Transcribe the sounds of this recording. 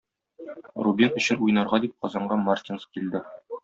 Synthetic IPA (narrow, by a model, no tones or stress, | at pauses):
rubʲinɵ̆ɕɘnujnɑɾʁɑd̪ip̚qɒzɑɴɢɑmart̪ʲinfkild̪ɘ